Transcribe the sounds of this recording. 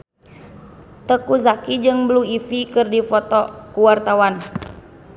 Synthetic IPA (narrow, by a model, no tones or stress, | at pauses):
t̪əkuzakid͡ʒɨŋbluifikɨrdifɔt̪ɔkuwart̪awan